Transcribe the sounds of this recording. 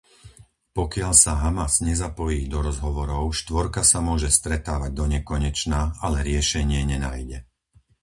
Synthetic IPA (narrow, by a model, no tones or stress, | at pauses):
pɔkɪaʎsaɦamazɲɛzapɔjiːd̪ɔɾɔzɦɔʋɔɾɔʊʃt̪ʋɔɾkasamʊɔʒɛst̪ɾɛt̪aːʋaɟ̚d̪ɔɲɛkɔɲɛt͡ʃnaalɛɾɪɛʃɛɲɪɛɲɛnaːjɟɛ